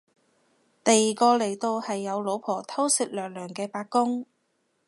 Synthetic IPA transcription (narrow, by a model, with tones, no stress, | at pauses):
t̪ɐ˨jːiː˨kɔː˧le˨˩jt̪o˧whɐ˨jːɐ˨˧wlo˨˧wpʰɔː˨˩t̪ʰɐ˥wsɪ˨k̚lœː˨ŋ̚lœː˨˩ŋkɛː˧paː˧k̚kːʊ˥ŋ